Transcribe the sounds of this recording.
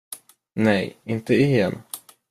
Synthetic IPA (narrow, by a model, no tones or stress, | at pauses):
nɛjɪnt̪əɪhɛ̰n